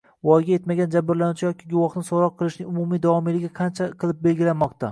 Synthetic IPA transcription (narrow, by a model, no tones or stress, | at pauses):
vɒjɡʲaje̞t̪maɡʲand͡ʒabːɪɾlanʊt͡ʃʰɪjɒkʲɪɡʊwɒχnɪsoɾɒqʰːɨlˠɪʃnɪŋʊmʊmijd̪awɒmilɪɡʲɪqʰɑnt͡ʃʰaqʰɨlˠɪp̚be̞lɡʲɪlanmɒqt̪a